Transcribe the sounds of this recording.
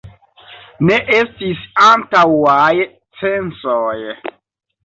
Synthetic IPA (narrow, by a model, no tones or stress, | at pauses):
neʔestisantawaj | t͡sensoj